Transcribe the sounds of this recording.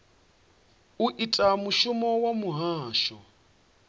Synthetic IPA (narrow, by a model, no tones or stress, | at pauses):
uʔitʼamuʃumɔwamuɦaːʃɔ